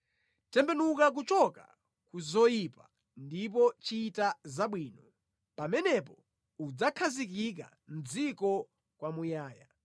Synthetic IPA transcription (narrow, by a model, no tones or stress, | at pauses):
tɛmbɛnukak̬ut͡ʃɔka̰ | kuzɔjipa | ndip̬ɔt͡ʃiːtazaɓwiːnɔ | pamɛnɛpɔ | ud͡zakʰazik̬ik̬a̰ | n̩d͡zikɔ | kwamujaːja